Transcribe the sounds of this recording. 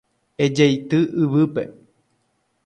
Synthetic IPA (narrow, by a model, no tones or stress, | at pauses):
ed͡ʒeit̪ɨʔɨβɨpḛ